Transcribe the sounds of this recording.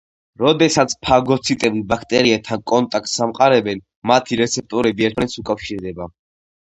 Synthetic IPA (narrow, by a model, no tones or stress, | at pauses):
ɾɔd̪ɛsat̪sʰpʰaɡɔt̪sʰit̪ʼɛbbakʰt̪ʼɛɾiat̪ʰankʼɔnt̪ʼak̚ʼt̪samqʼaɾɛbɛn | mat̪ʰiɾɛt̪sʰɛp̚t̪ʼɔɾɛbiɛɾt̪ʰmanɛt̪sukʼafʃiɾd̪ɛba